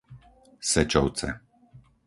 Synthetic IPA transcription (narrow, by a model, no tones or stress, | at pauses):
sɛt͡ʃɔw̪t͡sɛ̰